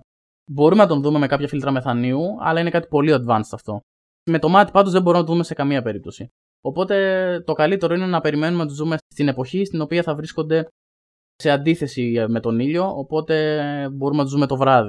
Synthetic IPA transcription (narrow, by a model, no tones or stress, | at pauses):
bo̞ɾumenɐt̪o̞nðume̞me̞kɐpçɐfilt̪ɾɐme̞θɐniuɐ̰lɐine̞kɐt̪i̥po̞liɐd̪vɐnsɐft̪o̞ | me̞t̪o̞mɐt̪i̥pɐt̪uzðebo̞ɾumnɐt̪ðume̞se̞kɐmiɐpe̞ɾip̚t̪o̞si | o̞po̞t̪e̞t̪o̞kɐlit̪e̞ɾo̞ine̞nɐpe̞ɾime̞numenɐt̪uzðume̞st̪ine̞po̞çist̪ino̞piɐθɐvɾisko̞nd̪e̞ | se̞ɐnd̪iθe̞sime̞t̪o̞niʎo̞ːpo̞t̪e̞bo̞ɾumenɐt̪uzðume̞t̪o̞vɾɐði